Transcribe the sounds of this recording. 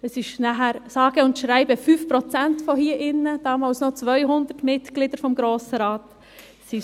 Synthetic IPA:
əsɪʃnæɦæɾsɑːɡ̥əʊntʃɾæɪbəfyːfpɾɔt͡sæntfɔhiːɐʔɪnːəd̥ɑːmɑlsnot͡sʋœʏɦʊndətmɪtɡ̥lɪd̥əɾfɔmɡɾoːsəɾɑːt | si

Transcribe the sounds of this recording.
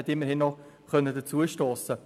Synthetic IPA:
ɛtɪmːəɾhɪnːɔχ | kœnədət͡suːəʃtoːsə

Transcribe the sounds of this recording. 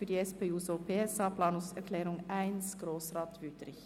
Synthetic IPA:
fyːdiːɛspeːuːsoːpʰeːɛsɑːpʰlɑːnʊŋsɛʁkʰlɛːʁʊŋæɪnsɡ̥ɾoːsʁɑːt̪ʋʏtɾɪç

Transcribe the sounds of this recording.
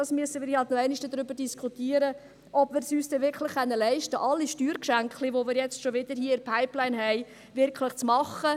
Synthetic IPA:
dɑsmyəsənʋɪːɾhɑltnoɛɪnɪʃdəd̥ɾʏbəɾdiskʰutiəɾə | ʔɔb̥mɪːɾsyːsd̥ɛʋɪɾkʰlɪχːɛnːəlɛɪʃtəʔɑlːiʃtyːɾkʃæŋkliʋomɪːɾjɛt͡stʃoʋɪd̥əɾhiːəɪɾpʰaɪplaɪnɦɛɪ | ʋɪɾkʰlɪχt͡smɑχə

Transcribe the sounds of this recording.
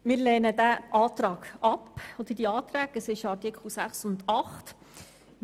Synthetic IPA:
mɪːɾlɛːnədæʔɑːt̪ɾɑːɡ̥ɑpɔd̪əɾd̥iɑːt̪ɾæːɡ̥əsɪʃɑɾtikχl̩sæχsʊnd̪ɑχt

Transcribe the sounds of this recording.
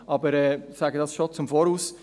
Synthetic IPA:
ʔɑbəɾɛːsæɡədɑsʃot͡sʊmfoːɾuːs

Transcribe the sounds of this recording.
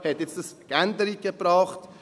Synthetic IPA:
hɛtjɛt͡stəskænd̪əɾiɡəbɾɑːχt

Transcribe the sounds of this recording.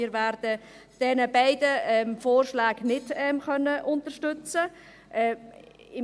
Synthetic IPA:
ɪːɾʋæɾd̥ə | d̥ɛnəbaɪdəɛmfoːrʃlaːɡnɪdɛmxœnːəʔʊntəʃtʏt͡sə | ʔɛ | ɪ

